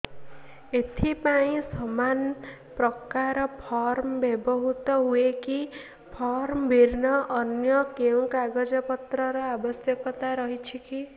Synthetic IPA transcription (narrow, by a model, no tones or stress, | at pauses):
et̪ʰipaĩsɔman | pɾɔkaɾɔpʰɔɾmbjebɔɦut̪ɔɦueki | pʰɔɾmbʱiɾnʌʔːnjʌkeũkaɡɔd͡ʒɔpʌt̪ɾʌɾɔabʌsjʌkɔt̪aɾʌɦit͡ʃʰiki